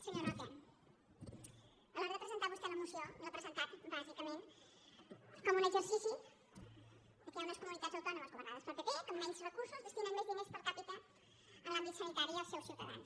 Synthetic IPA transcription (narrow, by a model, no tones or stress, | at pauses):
səɲoɾat̪an | ələrəpɾəzənt̪aβusk̪elɐmuseorəpɾəzənt̪at̪bazikəmẽnt̪ | komunezəɾsisu | ikemeskumunit̪at̪zowt̪anɐmaskomənamospəpəpikomːɛnsrəkuɾsuzðəst̪inamezðimespəɾt̪apit̪a | əlambit̪sɐnit̪aɾiəlˠsewsjut̪ɐ̰ða̰ns